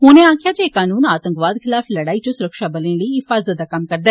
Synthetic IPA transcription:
ɦʊneːãːkʰɪjaːd͡ʒeːkaːnuːnaːt̪ə̃ŋkʋaːd̪kʰɪlaːfləɽaːiːt͡ʃõːsʊɾəkʃaːbəlẽːləiɪfaːzət̪̚d̪aːkəmkəɾd̪aɛː

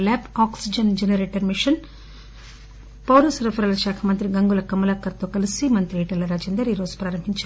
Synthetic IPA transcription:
lɛːpaːksid͡ʒɐnd͡ʒɛnɐɾeːʈɐɾmiʂɐn | pɐwɾɐsɐɾɐfʰɐɾɐlɐʃaːkʰɐmɐnt̪ɾiɡɐŋɡulɐkɐmːɐlaːkːɐɾt̪oːkɐlisimɐnt̪ɾiɛːʈɐlːɐɾaːd͡ʒɛnd̪ɐɾiːɾo̞ːd͡ʒu̥pɾaːɾɐmɦiɲt͡ʃː

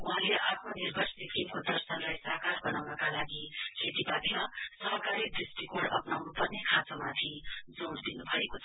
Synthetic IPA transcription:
uɦãleʔap̪ʰnonirbʱʌrssikimkod̪ʌrsʌnlajsʌɦkarbʌnawnʌkalaɡisʰet̪ipad̪imasʌɦʌkaɾid̪risʈikoɽʌ̰pnawnupʌrnekʰat͡samat̪ʰid͡zoɽd̪inubʱʌekot͡sʰ

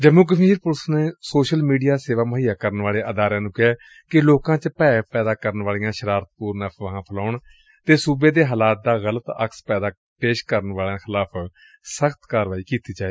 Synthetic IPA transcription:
d͡ʒəmuːk̬əʃiːɾpʊɾsneːsoːʃəlmiːɖijaːseːʋaːməɦiːaːkəɾənʋaːleːʔəd̪aːɾãːnũːkɪɛː | kɪloːkãːt͡ʃəpɛːpɛːd̪aːkəɾənʋaːlijãːʃəɾaːɾt̪̚puːɾnəʋəɦãːpʰəlaːʊɳ | t̪eːsuːbeːd̪eːɦaːlaːt̪̚d̪aːɣələt̪ə̰kspɛːd̪aː | peːʃkəɾənʋaːlãːxʰɪlaːpʰ | səxʰt̪kaːɾʋaːiːkiːt̪iːd͡ʒaːe

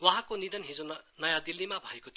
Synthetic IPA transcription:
waɦãkonid̪ʌnɦid͡zonʌjad̪ilːimabʱʌekot̪ʰ

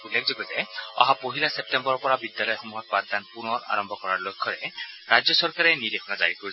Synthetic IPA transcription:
ulːekʰzɔɡɔzɛɔ̰ɦapoɦilasep̚tembɔɹɔpɔɹabidjalɔjxɔmuɦɔt̪̚bad̪̚d̪anpunɔɹa̰ɹɔmbʱɔkɔɹaɹlojkʰːɔɹɛɹad͡ʒjɔsɔɹkaɹɛnidekʰɔnaza̰ɹikoɹi

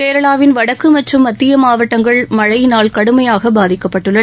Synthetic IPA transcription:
keːɾɐɭaːʋɪnʋɐɽɐkːɯmɐʈrɯmːɐt̪ːɪjɐmaːʋɐʈːɐŋɡɐɭmɐɻɐɪnaːlkɐɽɯmɐjaːɣɐbaːðɪkːɐpːɐʈːɯɭːɐ

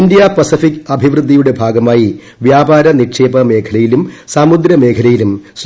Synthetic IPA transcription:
ndijaːpɐsifikːɐbʱiʋrɨd̪ʱːijuɽe̞bʱaːɡɐmaːji | ʋjaːbaːɾɐnikʂeːbɐme̞ːkʰɐlɐjilumsaːmud̪ɾɐme̞ːkʰɐlɐjilums

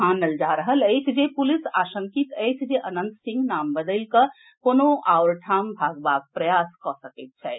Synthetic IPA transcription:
anəld͡ʒaɾəɦələjt͡ʃʰd͡ʒepulisaʃəŋkit̪əjt͡ʃʰd͡ʒeʔənə̃nt̪sĩŋɡnambəd̪əlkə | konoʔaʊɾʈʰambʱaɡbaɡ̚pɾəjaskɔsəkit̪̚t͡ʃʰɛ

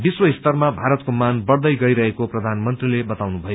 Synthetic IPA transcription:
biswʌist̪ʌrmabʱaɾʌt̪̚komanbʌɽd̪ʌjɡʌjɾʌɦekoprʌd̪ʱanmʌnt̪rilebʌt̪awnubʱʌjo

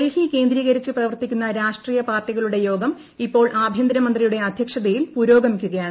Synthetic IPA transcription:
ɐlhike̞ːnd̪ɾiːɣɐɾit͡ɕːɨprɐʋɐrt̪ikʲːunːɐɾaːʂʈriːjɐpaːrʈiɣɐɭuɽe̞jo̞ːɡɐm | ipːo̞ːɭʔaːbʱjɐnd̪ɐɾɐmɐnd̪rijuɽe̞ɐd̪ʱjɐkʂɐðɐjilpuːɾo̞ːɡɐmikʲːuɣɐjaːɳ

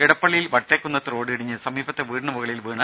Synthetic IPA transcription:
kiɽɐpːɐɭːijilʋɐʈːeːkːunːɐt̪ɾo̞ːɽɨiɽiɲːɨsɐmiːbɐt̪ːe̞ʋiːɽɳɐmuɣɐɭijilʋiːɳɐ

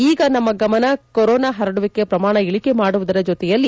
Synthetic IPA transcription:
iːɡɐnɐmːɐɡɐmɐnɐkoɾɔːnaːɦɐɾɐɽuʋikːepɾɐmaːɳɐiɭikemaːɽuʋud̪ɐɾɐd͡ʒɔt̪ɛjɐlːi

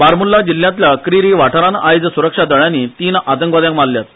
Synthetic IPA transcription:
baɾmulːad͡ʑilːjãt̪̬ljakɾiɾiʋaʈʰəɾãnajd͡zsuɾəkʂad̪əɭjãnit̪iːnat̪əŋkʋad̪jãkmalljat̪

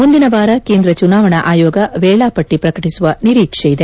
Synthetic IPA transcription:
mund̪inɐʋaːɾɐkeːnd̪ɾɐt͡ʃunaːʋɐɳɐʔaːjɔːɡɐʋɛːɭaːpɐʈːipɾɐkɐʈisuʋɐniɾiːkʂɛjid̪e̞

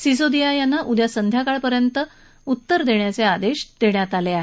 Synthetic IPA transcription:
sis̬od̪ijajanːaʔud̪ʱjasənd̪ʱjakaɭpəɾjənt̪ə | ut̪ːəɾd̪eɳjat͡sead̪eɕd̪̥eɳjat̪aleaɦe

